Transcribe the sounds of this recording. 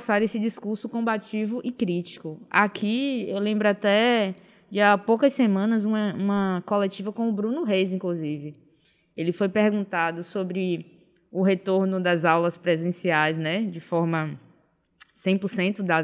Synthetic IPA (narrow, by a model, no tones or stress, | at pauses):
saɾesɪd͡ʒiskuɾsʊkõbat͡ʃivʊʔikɾit͡ʃi̥kʊa̰kʰiewlẽmbɾʊat̪ɛ | d͡ʒapowkɐssemɐ̃nɐzũmɐũmɐkolet͡ʃivɐkõʊbɾũnʊɦejzĩkluzivɪ | elɪfojpeɾɡũnt̪ad̪ʊsobɾɪ | ʊɦet̪oɾnʊd̪ɐzawlɐspɾezẽsiajznɛd͡ʒɪfɔɾmɐ | sẽj̃pʊɾsẽnt̪ʊd̪ɐ